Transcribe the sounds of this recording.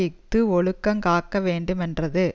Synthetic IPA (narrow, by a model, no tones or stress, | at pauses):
ɪk̚t̪ɯɔɭɯkːɐŋkaːkːɐʋeːɳɖɯmɛndrɐðɯ